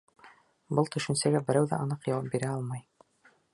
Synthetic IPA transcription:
bɤlˠt̪ɵ̆ʃɘ̆nsæɡæbɘ̆ɾæwðæ̰ʔɑnɤqjɑwɑp̚biɾæɑlˠmɑj

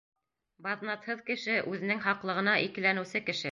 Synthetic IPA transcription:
bɑðnɑt̪hɤðkɘ̆ʃɘʔʉðɘ̆nɘŋhɑqlˠɤ̆ʁɤ̆nɑʔikɘ̆lænɘ̆wsɘkɘ̆ʃɘ

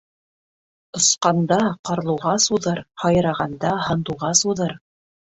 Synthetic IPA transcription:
ŏsqɑnd̪ɑqɑɾlˠɤ̆ʁɑsuðɤɾhɑjɤɾɑʁɑnd̪ɑhɤ̆nd̪uwʁɑsuðɤɾ

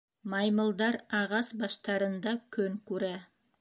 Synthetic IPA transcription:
mɑjməlˠd̪ɑɾɑʁɑsbɑʃt̪ɑɾənd̪ɑkʲʰɵŋkʲʰɵɾæ

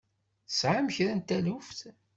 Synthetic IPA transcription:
sʕaməçɾænt̪ːælufθ

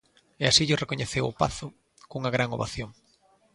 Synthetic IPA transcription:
ɛasiʎʊrekoɲeθewʊpa̰θʊ | kuŋɐɣɾaŋoβaθjoŋ

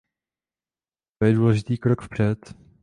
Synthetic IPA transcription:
t̪ojɛduːlɛʒɪt̪iːkɾokfpr̝̥ɛt̪

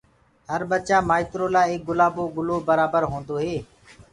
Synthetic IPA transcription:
həɾɓət͡ʃaːmaːɪt̪ɾoːlaːeːk̚ɡʊlaːboːɡʊloːbəɾaːbəɾɦõːnd̪oːɦeː

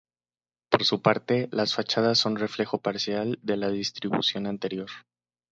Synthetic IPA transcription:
po̞ɾsupaɾt̪e̞lasfat͡ʃaðasːo̞nre̞fle̞xo̞paɾsjald̪e̞laðist̪ɾiβṵsjo̞nant̪e̞ɾjo̞ɾ

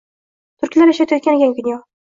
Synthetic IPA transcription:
t̪ʰʊɾkʲlaɾeʃat̪ajɒt̪kʲanɪɡʲaŋɡʊnʲjɒ

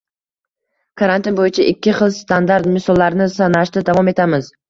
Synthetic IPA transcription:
kʰaɾant̪ɪnbojɪt͡ʃʰaʔɪkʲːɪχɨlˠst̪ʰand̪aɾt̪mɪsɒlˠːaɾɪnɪsanaʃt̪ad̪avɒme̞t̪ʰamɪz

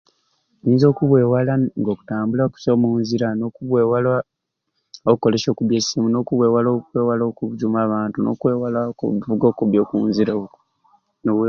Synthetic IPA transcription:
ɲiːnzo̞ːkuβwe̞ːwalaŋɡo̞ːku̥taːmbulaoku̥somuːnziɾano̞kuβwewala | okuko̞le̞so̞ːkuβjesiːmuno̞ːkuβwe̞ːwalokweːwalokuuzumaːβaːntuno̞̰kwewalavuɡo̞ːkuβjo̞ːkuːnziɾa | no

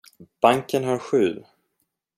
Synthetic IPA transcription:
b̥aŋkənɦaɾɧʉ̟ː

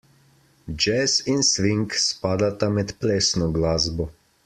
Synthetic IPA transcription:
d͡ʒɛsinsʋiŋkspaːd̪at̪amɛt̪pɾɛːsnɔɡlaːzbɔ

